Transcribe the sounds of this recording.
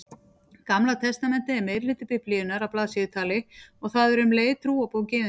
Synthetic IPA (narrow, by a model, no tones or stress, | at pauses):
kamlat̪ʰɛst̪amɛnt̪ɪɛɾmeðɾlɪːt̪ʏpɪpʰlɪːðʏnaɾawplaːðsɪːðʏt̪ʰaːlɪɔɣθaðɛɾʏmleːjt̪ʰɾuːapowcɪʏ